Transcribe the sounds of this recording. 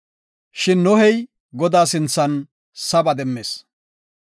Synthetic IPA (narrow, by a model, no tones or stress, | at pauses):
ʃɪnːɔhɛj | ɡɔd̪aːsɪnt͡sːɐn | sɐbɐd̪ɛmːeːs